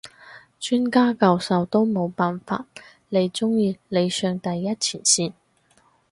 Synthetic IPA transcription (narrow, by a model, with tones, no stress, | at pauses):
t͡ʃyː˥nkaː˥kɐ˧wsɐ˨˧wt̪o˥wmo˨˧wpaː˨˩nfa̰ː˧t̚ | le˨˧jt͡ʃʊ˥ŋjiː˧le˨˧jsœː˧ŋt̪ɐ˨jːɐ˥t̚t͡sʰiː˨˩nsiː˧n